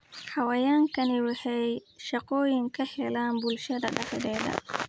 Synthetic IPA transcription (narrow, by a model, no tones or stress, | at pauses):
ħɑwɐjaːŋkʰɐnɪwɑħɛjʃɐqɔːjɪŋkʰɐhɛlaːnbʊlʃɐd̪ɐɖɑħɛðɛːðɐ̰